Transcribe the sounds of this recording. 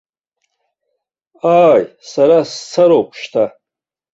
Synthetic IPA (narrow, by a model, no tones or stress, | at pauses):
aːjsaɾast͡sʰaɾopʰʃtʰa